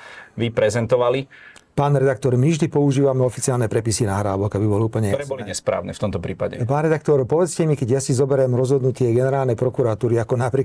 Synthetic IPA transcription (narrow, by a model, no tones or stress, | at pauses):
ʋipɾɛzɛnt̪ɔʋalipaːnɾɛd̪akt̪ɔɾmivʒd̪ipɔuʒiːʋamɛɔfit͡siaːlnɛpɾɛpisinaɦɾaːʋɔɡabibɔliuːpl̩ɲɛɔɾɛːbɔliɲɛspɾa̰ːʊnɛ̰ːft̪ɔmt̪ɔpɾiːpaɟɛ̰paːnɾɛd̪akt̪ɔɾpɔʋɛt͡scɛmikɛɟjasizɔbɛɾɛmɾɔzɦɔd̪nucɪɛɡɛnɛɾaːlnɛjpɾɔkuɾat̪uːɾiakɔnapɾi